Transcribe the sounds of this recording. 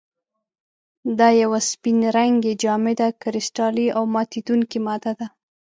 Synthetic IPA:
d̪ɑjawaspinɾaŋɡed͡ʒɑmed̪akɪɾɪsʈɑliʔawmɑt̪id̪uŋkimɑd̪ad̪a

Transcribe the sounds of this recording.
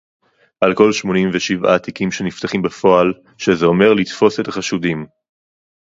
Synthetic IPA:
ʔalko̞lʃmo̞nimveʃiva̰ːt̪ikimʃe̞nift̪aχimbefo̞al | ʃezeo̞me̞ʁlit̪fo̞se̞t̪aχaʃudim

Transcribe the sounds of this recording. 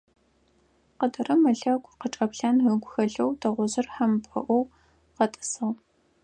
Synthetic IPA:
qədɐrɐmɐɮɐɡʷʼqəʈ͡ʂʼɐpɬaːnɨɡʷʊxɐɮɐwdʰɐʁʷʊzɨrħampʼɐ̰ʔʷɔw | qɐtʼɨ̥sɐʁ

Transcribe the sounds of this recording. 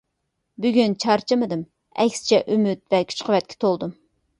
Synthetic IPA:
byɡʲynt͡ʃʰɑɾt͡ʃʰɨmɨd̪ɨm | ɛkʲsɪ̥t͡ʃʰɛʔymyt̪̚vɛkʲʰy̥t͡ʃqʰəvɛt̪̚kʲʰɪ̥t̪ʰolˠd̪um

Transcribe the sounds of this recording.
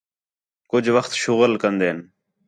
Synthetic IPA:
kʊd͡ʒʱʋəxt̪ʃʊɣəlkənd̪eːn

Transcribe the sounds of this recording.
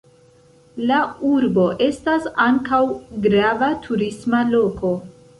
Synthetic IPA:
lauɾbo̞ʔe̞stasaŋkawɡɾavatʰuɾismalo̞ko̞

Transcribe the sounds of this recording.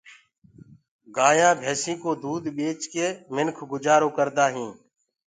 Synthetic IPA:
ɡaːjãːbʱeːsĩːkoːd̪uːd̪ɓeːt͡ʃkeːmɪnkʰɡʊd͡ʒaːɾoːkəɾd̪aːɦĩː

